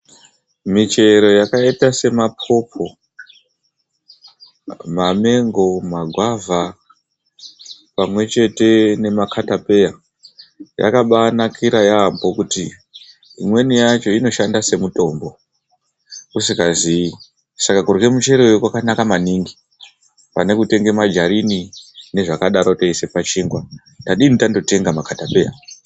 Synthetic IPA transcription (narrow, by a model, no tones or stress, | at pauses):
mit͡ʃe̞ɾo̞jakaitase̞mapʰo̞pʰo̞ | mame̞ŋɡo̞maɡʱwavʱa | pamwe̞t͡ʃe̞te̞ne̞makʰatape̞ja | ja̰kaɓanakʰiɾajaːmbo̞kuti | imwe̞nijat͡ʃo̞ino̞ʃandase̞muto̞ːmbo̞ | usikazii | sakakurwe̞mut͡ʃe̞ɾojokwakanakamaniŋɡi | pane̞kute̞ŋɡe̞mad͡ʒaɾinine̞ʐakaɗaɾo̞taise̞pat͡ʃiːŋɡwa | taɗinitando̞te̞ŋɡamakʰatape̞ːja̰